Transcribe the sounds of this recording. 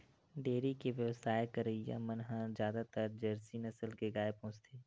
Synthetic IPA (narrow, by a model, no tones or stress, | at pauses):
ɖeːɾikeʋjəʋsaːekəɾəijã̰mənɦãzjaːd̪at̪əɾd͡ʒəɾsinɐsəlkeɡaːepõːt͡ʃt̪ʰeː